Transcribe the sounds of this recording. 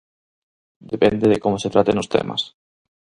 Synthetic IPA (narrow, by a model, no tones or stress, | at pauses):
d̪epend̪eðekomoset̪ɾat̪enost̪ḛmʔa̰s